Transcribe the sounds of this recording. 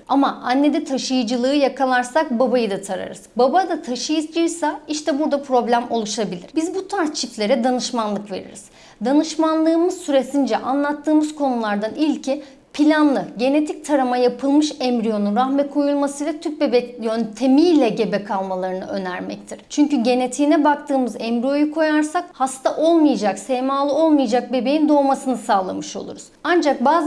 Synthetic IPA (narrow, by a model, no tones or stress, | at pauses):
amaʔanːe̞d̪ɛt̪ʰaʃɯjɯd͡ʒɯlˠɯːjakʰalˠaɾsak̚babajɯd̪at̪ʰaɾa̰ɾɯ̰z̥babad̪at̪ʰaʃɯjɯd͡ʒɯjsaiʃt̪ʰɛbuɾd̪apʰɾo̞blʲæmo̞lˠuʃabilʲḭɾ̥bizbut̪ʰaɾt͡ʃʰiflʲe̞ɾɛd̪anɯʃmanlˠɯkve̞̰ɾḭɾiz̥ | d̪anɯʃmanlˠɯːmɯzsyɾe̞sind͡ʒɛʔanlˠat̪ʰːɯːmɯz̥kʰo̞nulˠaɾd̪anilʲcʰi | pʰilʲanlˠɯɟe̞ne̞t̪ʰic̚t̪ʰaɾɯmajapʰɯlˠmɯʃɛmbɾijo̞nunɾaxmɛkʰo̞julˠmasɯjlˠat̪ʰyp̚be̞bɛjønt̪ʰe̞milʲɛɟe̞bɛkʰalˠmalˠaɾɯnɯ̰ø̞næɾmɛ̰c̚t̪ʰiɾ̥t͡ʃʰyɲcyɟe̞ne̞t̪ʰiːnɛbakt̪ʰɯːmɯzɛmbɾijo̞jukʰo̞jaɾsak̚hast̪ʰaʔo̞lˠmɯjad͡ʒaksɛmaːlˠɯo̞lˠmɯjad͡ʒak̚be̞be̞jind̪o̞ːmasɯnɯsaːlˠa̰mɯʃo̞̰lˠṵɾuz̥and͡ʒak̚baːz